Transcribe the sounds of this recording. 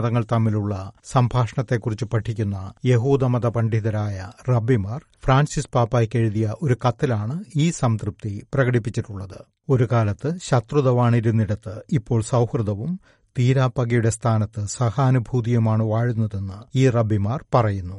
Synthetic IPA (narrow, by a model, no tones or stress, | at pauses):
ðɐŋːɐɭt̪ɐmːiluɭːɐsɐmbʱaːʂɐɳɐt̪ːe̞kːurit͡ɕːupɐʈʰːikʲːunːɐje̞ɦuːd̪ɐmɐðɐpɐɳɖiðɐɾaːjɐrɐbimaːr | fraːnsispaːpːaːjkːeɻuðijɐʔo̞ɾukɐt̪ːilaːɳɨiːsɐmt̪rup̚t̪iprɐɡɐɽipːit͡ɕːiʈːuɭːɐðɨ | o̞ɾukaːlɐt̪ːɨɕɐt̪ruðɐʋaːɳiɾunːiɽɐt̪ːɨipːo̞ːɭsɐwhrɨd̪ɐʋum | t̪iːɾaːpɐɡɐjuɽe̞st̪ʰaːnɐt̪ːɨsɐhaːnubʱuːd̪ijɐmaːɳɨʋaːɻunːɐðe̞nːɨiːrɐbimaːrpɐrɐjunːu